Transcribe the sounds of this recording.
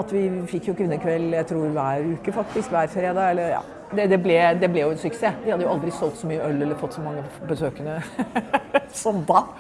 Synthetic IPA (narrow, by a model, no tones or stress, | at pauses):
ɑt̪ʋɪfɪkːjʊkʰʋɪnːəkʰʋɛlːjæɪt̪ʰɾuːɾʋæːɾʉːkəfɑk̚t̪ɪskʋæːɾfɾeːd̪ɑːɛlːəɾjɑ̰ː | d̪ɛd̪ɛblɛd̪ɛblɛjʊɛnsʏkseːʋ̪ɪhɑd̪ːəjʊɑld̪ɾɪsɔlt̪sɔmyːəœlːɛlːəɾfɔt̪ːsɔmɑŋːəbəsøːkənə | sɔmd̪ɑː